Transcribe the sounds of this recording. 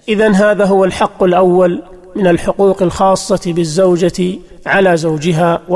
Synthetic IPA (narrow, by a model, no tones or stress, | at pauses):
ʔɪðanɦaːðaːɦʊwalħɑqːʊlʔawːal | mɪnalħʊquːqalxɑːsˤːɑt̪bɪzːawd͡ʒat̪ɪ | ʕalaːzawd͡ʒɪɦaːw